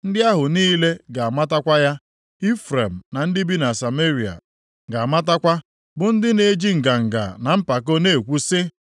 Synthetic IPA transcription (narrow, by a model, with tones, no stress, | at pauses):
n̩˦dɪ˦a˦ɦʊ˨niː˦le˦ɡa˨a˨ma˦ta˦kʷa˦ja˦ | i˦fɾe˨m̩˨na˨n̩˦dɪ˦bi˦na˨sa˨me˦ɾi˨a̰˨ | ɡa˨a˨ma˦ta˦kʷa˦ | bʊ˨n̩˦dɪ˦ne˨˦d͡ʒi˦ŋ̩˨ɡa˨ŋ̩˨ɡa̰˨na˨m̩˦pa˨k̬o˦ne˦˨kʷu˦sɪ˦